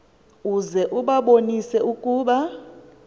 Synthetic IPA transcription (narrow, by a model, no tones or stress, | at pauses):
uzɛʔuɓaɓonisɛukʼuːɓa